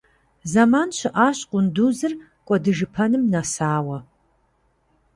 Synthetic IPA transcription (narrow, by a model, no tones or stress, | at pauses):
zɐmaːnɕɪʔaːɕʼqʷʼʊnduːzɨr | kʷʼɔdɨʒɨpʰɐnɨmnasaːwɐ